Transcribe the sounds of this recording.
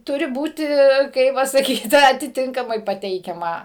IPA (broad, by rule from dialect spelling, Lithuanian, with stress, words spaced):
ˈtʊrʲɪ ˈbuːtʲɪ ˈkɐɪp ʋɐ sɐˈkʲiːt ɐtʲɪˈtʲɪŋkɐmɐɪ pɐˈtʲɛɪkʲɛmɐ